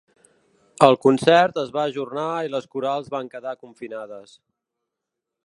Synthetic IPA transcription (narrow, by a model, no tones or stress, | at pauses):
əlˠkunsɛrt̪əzβaːʒurnailəskuɾalˠzβaŋkəðakuɱfinaðəs